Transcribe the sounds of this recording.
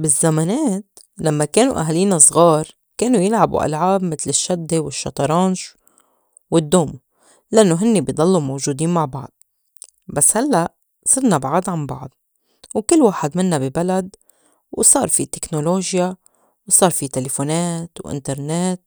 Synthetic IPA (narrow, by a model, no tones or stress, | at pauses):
bɪzːamaneːt̪ | lamːakeːnṵʔa̰ɦaliːnasˤɣɑːɾˤ | keːnujɪlʕabṵʔa̰lʕaːbmɪt̪lɪʃːad̪ːewɪʃːɑ̰t̪ˤɑɾˤɑːnʃ | wɪd̪ːoːmu | laʔanːoɦɪnːibjd̪ˤɑlːumowʒuːd̪iːnmaʕbɑʕd̪̚ˤ | basːhalːaʔ | sˤɨɾnabʕad̪ˤʕanbɑ̰ʕd̪̚ˤ | wkɪlːwaːħad̪mɪnːabibalad̪ | wsˤɑːɾˤfit̪e̥knoloːʒja | wsˤɑːɾˤfit̪elefoːneːt̪wʔɪ̰nt̪ɑɾˤneːt̪̚